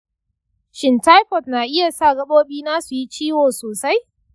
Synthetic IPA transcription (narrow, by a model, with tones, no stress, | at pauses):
ʃɪ˨nta˦jɸɔ˨tnaː˨ʔɪ˦ja˨sa˦˨ɡɐ˦ɓoː˦ɓiː˦naː˦su˨ji˦t͡ʃiː˦woː˨soː˨sa˦j